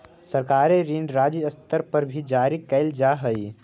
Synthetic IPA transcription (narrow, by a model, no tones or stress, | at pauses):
səɾkaːɾeɾiːɳɖɾaːd͡ʒiəst̪əɾpəɾbʱid͡ʒaːɾikɛɪld͡ʒaɦəi